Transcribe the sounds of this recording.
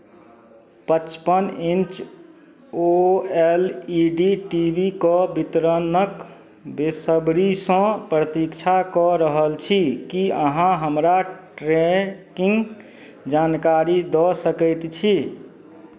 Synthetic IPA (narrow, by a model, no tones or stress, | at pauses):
pət͡ʃpənint͡ʃ | oeliɖiʈibikɔbit̪ɾənək | besəbɾisə̃pɾət̪ikt͡ʃʰakɔɾəɦəlt͡ʃʰikiəɦãɦəmɾaʈɾekiŋɡ | d͡ʒankaɾid̪ɔsəkəɪt̪t͡ʃʰi